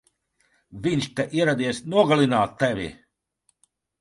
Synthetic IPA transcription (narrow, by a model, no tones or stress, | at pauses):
vinʲʃt̪aʔiɛɾad̪iɛsnuɔɡalinaːt̪ːɛvʲḭ